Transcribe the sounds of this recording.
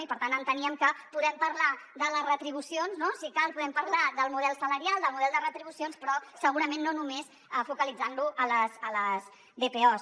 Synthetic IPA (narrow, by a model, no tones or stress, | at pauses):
ipəɾt̪anənt̪əniəmkəpuðɛmpəɾlaðələzrət̪ɾiβ̞usionznosikapuðɛmpəɾlad̪əlˠmuðɛlˠsələɾialˠd̪əlˠmuðɛlˠd̪ərət̪ɾiβusionspɾɔsəɣuɾəmẽnːonumes | əfukəlid͡zanluʔələzələz | βepeɔ